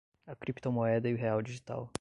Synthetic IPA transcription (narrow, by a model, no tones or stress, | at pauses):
ɐkɾipt̪omoɛd̪ɐɪʊɦeawd͡ʒiʒit̪a̰w